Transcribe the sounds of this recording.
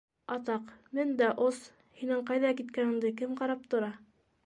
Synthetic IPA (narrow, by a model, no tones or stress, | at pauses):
ɑt̪ɑqmɘnd̪æʔos | hinɘɴqɑjðɑkit̪kænɘ̆ŋd̪ɘkɘmqɑɾɑp̚t̪ŏɾɑ